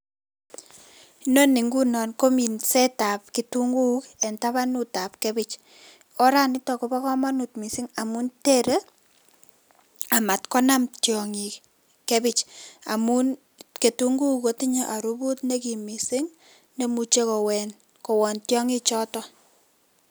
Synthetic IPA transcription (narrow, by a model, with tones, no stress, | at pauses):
no˦ni˨ŋɡu˦nɔ˨nko˦mi˨nsɛ˦ta˨p̚kitu˦ŋɡu˦kɛ˨nta˦βa˦nu˦ta˨p̚ke˦bi˦t͡ʃ | ɔ˦ɾa˦nɪ˦tɔ˨ko˨pɔ˦kɔ˦ma˦nutmi˨si˦ŋa˨mu˦nte˦ɾe˦ | a˨ma˨tkɔ˦na˦mtjɔ˨ŋi˨ | ke˦bit͡ʃa̰˨mu˦n | ke˨tu˦ŋɡu˦ko˦ti˦ɲe˦ʔa˨ɾu˦bu˦tne˦ki˨mi˨si˦ŋ | ne˦mu˨t͡ʃe˦kɔ˨wɛ˨n | ko˨wɔ˨ntjɔ˦ŋi˦t͡ʃɔ˦tɔ˦